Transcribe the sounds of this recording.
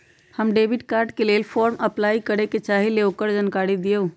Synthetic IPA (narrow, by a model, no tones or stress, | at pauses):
həmɖeːbɪʈkaːɾɖkelelfʰɔːɾmʔɐplaːikɐɾeket͡ʃaːɦeleoːkəɾd͡ʒənkaːɽid̪ijoː